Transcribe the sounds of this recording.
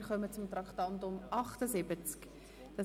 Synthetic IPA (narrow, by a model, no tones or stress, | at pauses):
ɾχœmət͡sʊmt̪ɾɑkχtɑntʊmʔɑχtəzɪbət͡sk | d̥ɑ